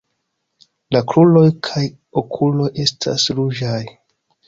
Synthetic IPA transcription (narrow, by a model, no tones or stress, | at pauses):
lakɾulo̞jkʰaj | okʰulo̞jʔe̞stʰa̰sɾud͡ʒaj